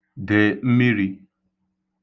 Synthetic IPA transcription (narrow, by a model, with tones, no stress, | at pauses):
dɪ˨m̩˦mi˦ɾi˦